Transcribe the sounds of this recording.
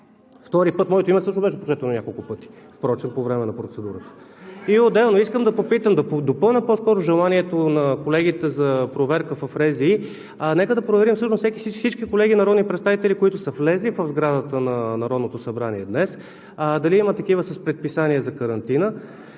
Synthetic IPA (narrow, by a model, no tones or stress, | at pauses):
ft̪ɔɾipɤt̪mɔjt̪oimət̪sɤʃnobɛʃɛpo̥t͡ʃɛt̪ɛnonʲakolˠkʊpɤt̪i̥ | fpɾɔt͡ʃɛnpovɾɛmɛnɐpɾot̪sɛd̪uɾət̪ə̥ | iod̪ɛlˠnoiskəmd̪ɐpopit̪əmd̪ɐd̪opɤlˠnʲəpɔskɔɾʊʒɛlˠaniɛt̪onɐkolɛɡit̪ɛzɐpɾovɛɾkəfɐfɾɛziː | nɛkəd̪ɐpɾovɛɾimfsɤʃnossɛkʲi̥sit͡ʃfsit͡ʃkikolɛɡinɐɾɔd̪nipɾɛt̪st̪avit̪ɛlikoit̪ʊsəflɛzlivəvzɡɾad̪ət̪ənɐnɐɾɔd̪not̪osɐbɾaniɛd̪nɛs | d̪ɐliimət̪ɐk̟ivəsɐspɾɛt̪̚pisaniɛzɐkəɾɐnt̪inə